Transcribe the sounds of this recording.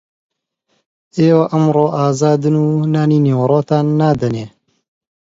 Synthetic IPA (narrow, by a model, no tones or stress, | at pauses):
ʔeːwɐʔɐmɾoːʔaːzaːd̪ɨnuːnaːniːneːwɐɾoːt̪aːnːaːd̪ɐneː